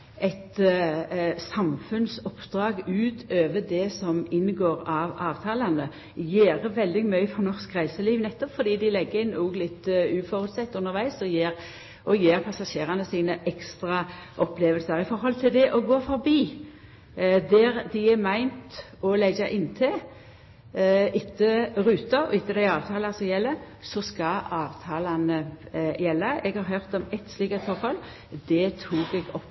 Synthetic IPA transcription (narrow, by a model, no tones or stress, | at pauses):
ɛt̪ | sɑmfʉnsɔpːd̪̥ʁɑːɡʉːt̪ʰøːʋəd̪ɛsɔmɪnːɡoːɾɑʋɑːʋt̪ʰɑːlɑnə | jeːʁəʋɛld̪ɪɡmœʏəfɔnɔʁskʁæɪsəliːʋnɛt̪ːɔpfɔd̪iːd̪ɪlɛɡːəɪnuːɡlɪt̪ːʉːfɔɾʉt̪sɛt̪ːʉnːəʁʋæɪsɔjeːɾ | ʔɔjeːʁpʰɑsɑʂeːʁɑnəsiːnəʔɛkst̪ʁɑʔɔpleːʋəlsəɾɪfɔɾhɔlt̪ʰɪld̪ɛʔɔɡoːfɔʁbiː | d̪æʁd̪ɪɛmæɪnt̪ | ɔlɛɡɑʔɪnːt̪ʰɛ | ɪt̪ːəʁʉːt̪ɑɔ̰ɪt̪ːəd̪æɪɑːʋt̪ʰɑːlɑsɔjɛlːə | sɔskɑɑːʋt̪ʰɑːlɑnəjɛlːəɛɡhɑʁɦœʁt̪ɔmɛt̪sliːkɑt̪fɔɾhɔl | d̪ɛt̪ʰuːɡɛɡɔpː